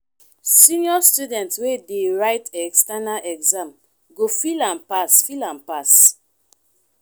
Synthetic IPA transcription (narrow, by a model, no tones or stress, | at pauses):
sĩniɔstudɛ̃ntswedeɹaɪtʰɛɛkstanalʔɛɡzãm | ɡofilãnpasfilãnpas